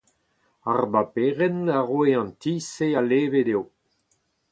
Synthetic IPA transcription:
aʁbapeːʁɛnaʁweɑ̃ntisealeːvedew

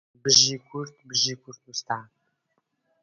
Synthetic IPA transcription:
bɨʒiːkʷʰʊrt̪ʰbɨʒiːkʷʰʊrt̪wust̪ʰaː

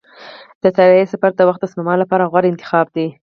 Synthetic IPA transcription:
d̪̥ət̪aɾiesafaɾd̪əwaxt̪əsnamɑlːapɑɾaɣwaɾɪnt̪ɪ̥xɑb̚d̪i

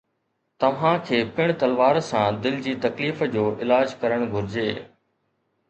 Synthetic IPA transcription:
t̪ɐʋ̤ãkʰeːpɪɽ̃t̪ɐlʋaːɾsãːd̪ɪld͡ʑiːt̪ɐkliːfd͡ʑoːʔɪlaːd͡ʑkɐɾəɽ̃ɡʱʊɾɪd͡ʑeː

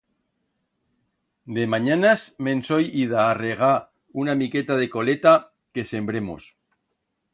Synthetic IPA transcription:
d̪e̞maɲanasmẽ̞nso̞jiðaːre̞ɣ̞a | unamike̞t̪að̞e̞ko̞le̞t̪a | ke̞se̞mbɾe̞mo̰s

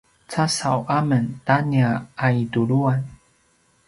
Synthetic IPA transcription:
t͡sasawʔaməntaniaaiduɾuan

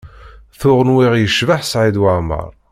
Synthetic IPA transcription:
θʊʁənwiʁjəʃvaħsʕid̪wamə̰ɾˤ

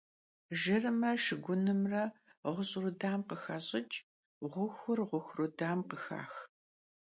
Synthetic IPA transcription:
ʒɪrɨmɐʃɨɡʷʊnɨmrɐʁʷʊɕʼrudaːmqəxɐɕʼɪt͡ʃʼ | ʁʷʊxʷʊrʁʷʊxʷrudaːmqəxa̰ːx

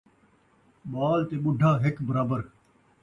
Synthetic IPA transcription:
maːlt̪eːɓʊɖʱaːɦɪkbəɾaːbəɾ

